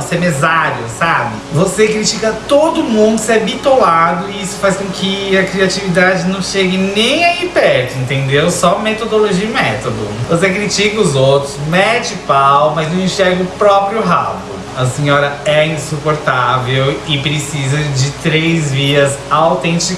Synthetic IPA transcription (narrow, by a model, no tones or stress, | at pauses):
semezaɾiʊ̰sabɪvosekɾit͡ʃikɐt̪od̪ʊmũd̪ʊseabit̪olad̪ʊiisʊ̥fajskõkʰɪɐkɾiat͡ʃivid̪ad͡ʒɪnɐ̃w̃ʃeɡɪnẽj̃aipɛɾt̪ʊẽnt̪ẽnd̪ewsɔmet̪od̪oloʒiimɛt̪od̪ʊ̰vosekɾit͡ʃikɐʊzowt̪ɾʊsmɛt͡ʃɪpawmɐznɐ̃w̃ĩʃɛɾɡɪʊpɾɔpɾjʊɦa̰bʊ̰ | ɐsĩɲɔɾɐɛĩsupoɾt̪avewɪpɾesizɐd͡ʒɪt̪ɾejzviɐzaawt̪ẽnt͡ʃik